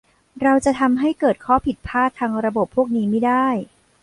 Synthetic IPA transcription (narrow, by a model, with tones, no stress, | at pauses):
ɾa˧wt͡ɕa˨˩t̪ʰa˧mɦa˥˩jkɤː˨˩t̪̚kʰɔː˦˥pʰi˨˩t̪̚pʰaː˥˩t̪ʰːaː˧ŋɾa˧bo˨˩pʰːu˥˩ək̚niː˦˥ma˥˩jdaː˥˩j